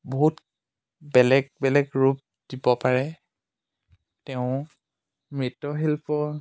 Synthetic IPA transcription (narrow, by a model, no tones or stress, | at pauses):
boɦut | bɛlɛɡ̚bɛlɛɡɹup̚ | d̥ibɔpaɹɛ | tɛʊ̃ | mɹitɔɦelpɔ